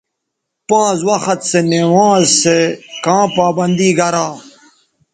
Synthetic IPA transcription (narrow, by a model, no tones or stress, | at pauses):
pãːzwɐxɐt̪senewaːzsekãːpaːbɐ̃nd̪iːɡʱɐɾaː